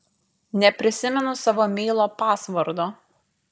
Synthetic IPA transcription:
nʲɛpʲɾʲɪsʲɪmʲɛnʊsɑʋoːmʲɛɪlˠoːpɑːsʋɐɾd̪oː

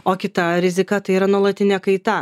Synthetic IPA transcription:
oːkʲɪt̪ɐɾʲɪzʲɪkɐt̪ɐɪiːɾɐnuɔlˠɐt̪ʲɪnʲɛkɐɪt̪ɐ

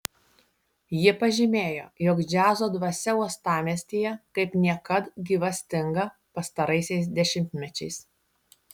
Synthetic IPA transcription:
jiɛpɐʒʲɪmʲeːjo̰ːjɔkd͡ʒʲæːzoːd̪ʋɐsʲɛuɔst̪ɑːmʲiɛsʲt̪ʲiːjɛkɐɪpnʲiɛkɐt̪ɡʲiːʋɐsʲt̪ʲɪŋɡɐ | pɐst̪ɐɾɐɪsʲɛɪs̬d̪ʲɛʃʲɪmʲt̪ʲmʲɛt͡ʃʲɛɪs

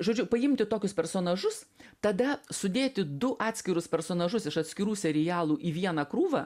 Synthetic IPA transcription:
ʒoːd͡ʒʲʊpɐɪmʲt̪ʲɪt̪oːkʲʊspʲɛɾsoːnɐʒʊst̪ɐd̪ɐsʊd̪ʲeːt̪ʲɪd̪ʊʔɑːt̪ʲsʲkʲɪɾʊspʲɛɾsoːnɐʒʊsɪʃɐt̪ʲsʲkʲɪɾuːsʲɛɾʲɪjæːlˠuːʔiːʋʲiɛnɐkɾuːʋɐ

